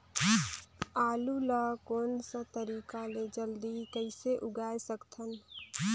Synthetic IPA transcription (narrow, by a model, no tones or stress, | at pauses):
aːluləkoːnsə̃t̪əɾiːkaled͡ʒəld̪ikəɪseʔʊɡaːjsəkt̪ʰən